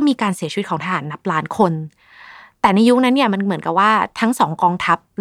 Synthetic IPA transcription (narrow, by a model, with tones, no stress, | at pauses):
miː˧kaː˧nsi˨˩˦t͡ɕʰi˧˦t̪̚kʰɔ˩˦t̪ʰa˧ɦaː˩˦nːa˦˥p̚laː˦˥nkʰo˧n | t̪ɛː˨˩na˧jːu˦˥k̚na˦˥nːi˥˩ɐma˧nmɯ˨˩˦ənka˨˩p̚waː˥˩t̪ʰa˦˥ŋsɔː˩˦ŋkɔː˧ŋt̪ʰa˦˥p̚